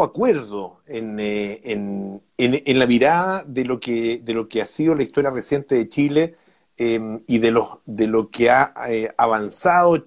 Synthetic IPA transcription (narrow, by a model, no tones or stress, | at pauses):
akweɾðoeneen | enenlamiɾaðaðelo̞keðelo̞keasiðolaiht̪o̞ɾjaresje̞nt̪eðet͡ʃile | emiðelohðelokeaeaβansaðo